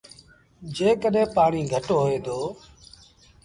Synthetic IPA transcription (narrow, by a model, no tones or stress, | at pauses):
d͡ʒeːkəɗẽːpaːɳiːɡʱəʈoːɦeːd̪oː